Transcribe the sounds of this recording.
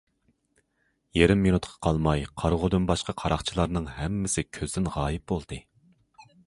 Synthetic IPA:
jeɾɪmːinut̪qʰɑ̥qʰɑlˠmɑjqʰɑɾʁod̪ynbɑʃqɑqʰɑɾɑχt͡ʃʰilˠɑɾnɨŋhɛmːɪsɪkʲʰøzd̪ɪnʁɑːjɪp̚bolˠd̪̥ɨ

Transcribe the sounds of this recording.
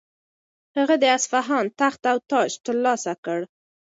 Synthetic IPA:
həɣəd̪əasfaɦɑnt̪axt̪awt̪ɑʃt̪əɾlɑsakəɽ

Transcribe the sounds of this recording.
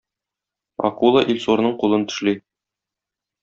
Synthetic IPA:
ɒ̰qulˠɑʔilʲsuɾnɤɴqulˠɤnt̪ɵ̥̆ʃli

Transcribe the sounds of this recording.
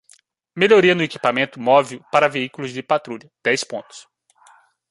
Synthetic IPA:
meʎoɾiɐnʊeki̥pamẽnt̪ʊmɔviʊpaɾɐveikʊlʊzd͡ʒɪpat̪ɾuʎɐd̪̥ɛjspõnt̪ʊ̥s

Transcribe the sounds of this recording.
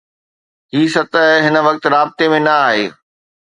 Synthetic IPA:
ɦiːsɐt̪əɦɦɪnə̆ʋɐk̚t̪ɾaːbɪt̪emẽnɐaːɦeː

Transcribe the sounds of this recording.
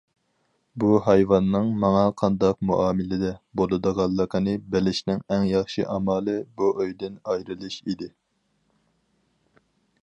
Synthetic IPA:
buɦɑjvɑnːɨŋmɑŋɑqʰɑnd̪ɑq̚muʔɑːmɪlɪd̪ɛbolˠɨd̪əʁɑlˠːəqʰənɨbɪlɪʃnɪŋɛŋjɑχʃḭʔɑmɑːlˠɨbuʔøjd̪ɪnɑjɾɨlˠɨʃid̪ɪ

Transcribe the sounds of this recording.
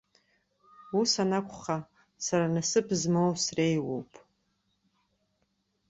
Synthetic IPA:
usanakʷʰʼχa | saɾanasɨpʰzmowsrejwo̰wpʼ

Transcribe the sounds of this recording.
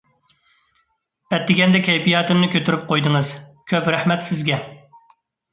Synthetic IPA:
bɛt̪ːɪɡʲɛnd̪ɛkʲʰɛjpijɑːt̪ɪmnɨkʲʰøt̪ʰyɾyp̚qʰojd̪ɨŋɨz̥kʲʰøpɾæhmɛt̪sɪzɡʲɛ

